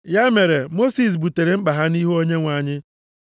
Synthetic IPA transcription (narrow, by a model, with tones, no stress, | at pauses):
ja˦me˨ɾe˨mo˦si˨s̬bu˨te˨ɾe˨m̩˦k͡pa˨ɦa˦ni˦ɦo˦ɲe˦ŋʷa˨ɲɪ˦